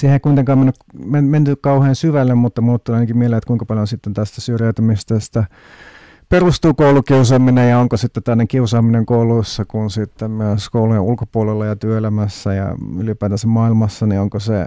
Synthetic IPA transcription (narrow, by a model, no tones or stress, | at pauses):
sihekuit̪eŋkɑːmenːykmenment̪ykkɑuheːnsyʋælːemmut̪ːɑmuːt̪ːulɑinɑkimieleːet̪kuiŋkɑpɑljonsit̪ːent̪æst̪æsyrjæyt̪ymist̪est̪ɑ | perust̪uːkoulukiusɑːminejɑoŋkosit̪ːett̪ænːekiusɑːmineŋkoulusːɑkunsit̪ːemmyøskoulujeʔulkopuolelːɑjɑt̪yøelæmæsːæjɑ̰ylipæːt̪ænsemmɑilmɑsːɑnioŋkose